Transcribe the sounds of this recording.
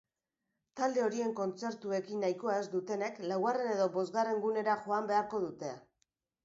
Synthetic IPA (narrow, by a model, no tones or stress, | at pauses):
t̪ald̪e̞o̞ɾie̞ŋko̞nt͡se̞ɾt̪ue̞kinːajko̞ae̞zd̪ut̪e̞ne̞klawɣare̞ne̞ðo̞bo̞zɣare̞ŋɡune̞ɾaʝo̞ambe̞aɾko̞ðut̪e̞a